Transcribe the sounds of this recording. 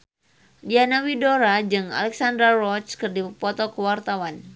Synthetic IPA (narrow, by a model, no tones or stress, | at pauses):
dianawidoɾad͡ʒɨŋa̰lɛksand̪ɾarɔt͡ʃkɨrdipɔt̪ɔkəwart̪awan